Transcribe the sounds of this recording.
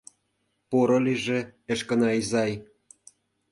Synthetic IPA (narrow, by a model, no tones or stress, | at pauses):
poɾɤ̆liʒĕeʃkɤ̆nɑizɑj